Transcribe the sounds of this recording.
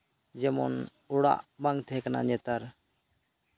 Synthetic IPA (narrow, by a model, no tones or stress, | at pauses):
d͡ʒɛmɔ̰n | uɽa̰ʔbaŋɡt̪ʰɛkana̰ɲɛt̪aɾ